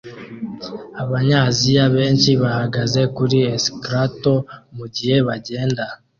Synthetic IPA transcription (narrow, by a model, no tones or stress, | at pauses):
aβaɲaːzijaβe̞ːnʃiβahaɡaze̞kuɾieskɾato̞muɟihe̞βaɟe̞ːnda